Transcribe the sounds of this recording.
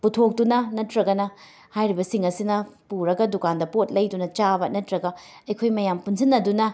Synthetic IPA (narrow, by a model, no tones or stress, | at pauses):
putʰok̚dunɐnɐtɾɐɡɐnɐ | hajɾibɐsiŋɐsinɐpuɾɐɡɐdukandɐpot̚lɐjdunɐt͡ʃabɐnɐtɾɐɡɐ | ɐjkʰojmɐjampunsʰinːɐdunɐ